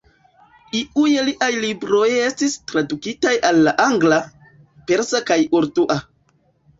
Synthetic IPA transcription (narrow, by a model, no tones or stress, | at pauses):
iʔujeliʔajlibɾo̞je̞stistɾadukitajalːaʔaŋɡla | pe̞ɾsakajoɾtuʔa